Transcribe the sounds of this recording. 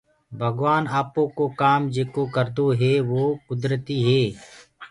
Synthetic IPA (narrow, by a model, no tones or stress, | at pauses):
bʱəɡʋaːnaːpõːkoːkaːmd͡ʒeːkoːkəɾd̪oɦeːʋoːkʊd̪ɾət̪iːɦeː